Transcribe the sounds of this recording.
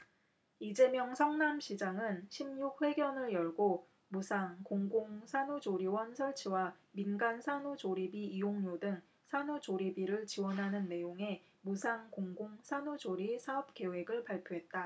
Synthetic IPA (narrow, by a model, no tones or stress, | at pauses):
id͡ʑe̞mjʌŋsʰʌŋnamɕʰid͡ʑaŋɯnɕʰimɲuk̚ɸwe̞ɡjʌnɯɭjʌɭɡo | musʰaŋkoŋɡoŋsʰanud͡ʑoɾiwʌnsʰʌɭt͡ɕʰiwaminɡansʰanud͡ʑoɾibiijoŋɲodɯŋ | sʰanud͡ʑoɾibiɾɯɭt͡ɕiwʌnɦanɯnːe̞joŋe̞ | musʰaŋkoŋɡoŋsʰanud͡ʑoɾisʰaʌp̚k͈e̞we̞ɡɯɭpaɭpʰjoɦe̞t̚t͈a